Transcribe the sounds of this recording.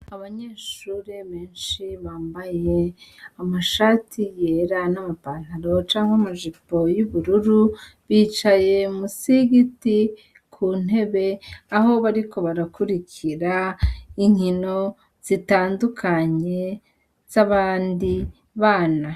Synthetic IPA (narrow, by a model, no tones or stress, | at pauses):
aβaɲe̞ːʃuːɾeβeːnʃiβaːmbaje̞amaʃaːtʰijeɾanamapaːn̥haɾo̞t͡ʃaːŋɡamaʒipo̞juβuɾuɾu | βiːt͡ʃaje̞musiɡiti | kʰuːn̥he̞βe̞aho̞βaɾikʰo̞βaɾakuɾiciɾaiɲŋhino̞ | z̥itaːndukʰaɲe̞ | z̥aβaːndi | βaːna